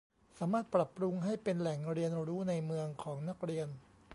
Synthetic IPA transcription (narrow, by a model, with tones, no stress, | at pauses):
saː˩˦maː˥˩t̪̚pɾa˨˩pːɾu˧ŋɦa˥˩jpe˧nlɛ˨˩ŋɾi˧ənɾuː˦˥na˧jmɯ˧əŋkʰɔː˩˦ŋna˦˥k̚ɾi˧ən